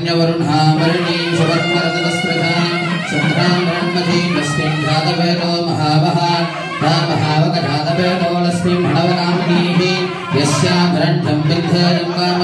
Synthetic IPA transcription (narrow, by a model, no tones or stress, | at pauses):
njɐʋɐɾunɦaːmɐɾɐɳiːʃuʋɐɾɐmɐɾɐd̪ɐlɐskɾɐt̪aː | t͡ʃɐt̪ɾaːmbʱɐɾɐɳmɐd̪ʱilɐsmimd̪ʱaːd̪ɐbeːɾoːmɐ̰ɦaːʋɐɦɐ | ɾaːmɐɦaːʋɐkɐɾaːd̪ɐpeːɾoːlɐsmimbʱɐɳɐʋɐɾaːmɐniːɦi | ʋjɐsjaːbʱɐɾɐɳʈ̪ɐmbind̪ʱɐɾɐmbaːm